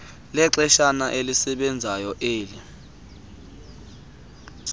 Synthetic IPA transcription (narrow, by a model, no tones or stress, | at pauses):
lɛǁɛʃanaʔelisɛɓɛnd͡zʱajɔʔeːli